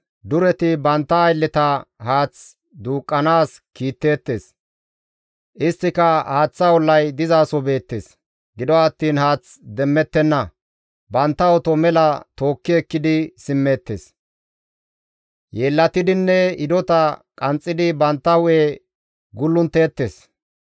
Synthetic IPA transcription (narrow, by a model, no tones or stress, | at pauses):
d̪ʊɾɛt̪ɪbɐnt̪ːɐːjlːɪt̪ɐhaːt͡s | d̪uːkʼːɐnaːskiːt̪ːe̞ːt̪ːe̞̰ːs | ʔɪst̪ːɪkɐhaːt͡sːɐwɔlːɐjd̪ɪzaːsɔbe̞ːt̪ːeːs | ɡɪd̪ɔɐt̪ːiːnhaːt͡s | d̪ɛmːɛt̪ːɛnːɐ | bɐnt̪ːɐwɔt̪ɔmɛlɐt̪o̞ːkːɪɛkːɪd̪ɪsɪmːeːt̪ːḛːs | jeːlːɐt̪ɪd̪ɪnːɛɪd̪ɔt̪ɐkʼɐnt͡sʼːɪd̪ɪbɐnt̪ːɐwʊe | ɡʊlːʊnt̪e̞ːt̪ːe̞ːs